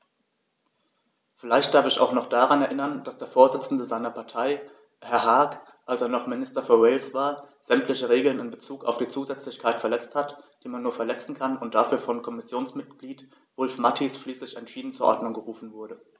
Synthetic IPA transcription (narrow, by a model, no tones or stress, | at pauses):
fɪlaɪçt̚d̥aɐfɪça̰ʊxnɔχd̥aʁanɛɐʔɪnɐnd̥asd̥eːɐfoːɐzɪt͡sn̩dəzaɪnɐpʰaɐtʰaɪ | hɛɐɦaɐk | ʔalseːɐnɔχmɪnɪstɐfyːɐʁeɪlsv̥aːɐ | z̥ɛmtlɪçəʁeːɡl̩nɪnbət͡suːka̰ʊfd̥iːt͡suːzɛt͡slɪçkʰaɪtfɛɐlɛt͡sthatd̥iːmanːuːɐfɛɐlɛt͡sn̩kʰanʊnt̚d̥afyːɐfɔnkʰɔmɪsjoːnsmɪt̚ɡ̥liːt | v̥ʊlfmatʰisʃliːslɪçɛntʃiːdn̩t͡suːɐʔɔ̰ɐdnʊŋɡəʁuːfn̩vʊɐɾə